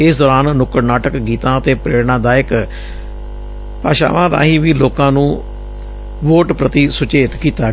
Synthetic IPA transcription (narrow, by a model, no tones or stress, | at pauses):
ɪsd̪ɔːɾaːnnʊkəɾnaːʈəkɡiːt̪ãːət̪eːpɾeːɽɳãːd̪aːɪk | pa̰ːʃa̰ːʋãːd̪a̰ːɦiːʋiːloːkãːnũː | ʋoːʈpɾət̪iːsʊt͡ʃeːt̪kiːt̪aː